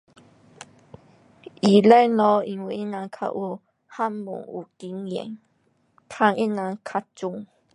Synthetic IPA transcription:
ʔi˨˩la˦˨jlɔ˧i˧ŋwi˧˨ʔi˦˥nã˧ŋkʰa̰˧ʔu˧˦ | ha˦mːṵ˨˩ŋu˨˩ki˧˦njɛ̰˨ŋ | t̪ʰa˧ŋʔi˦na˧ŋkʰa˧tt͡su˧ŋ

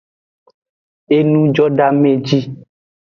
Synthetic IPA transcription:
e˦nũ˦d͡ʒɔ˦ɖa˦mẽ˨d͡ʒi˦

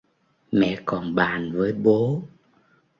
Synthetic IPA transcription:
mɛ̰˧˨kɔ˨˩nɓaː˨˩nvəː˨˦jɓo˨˦

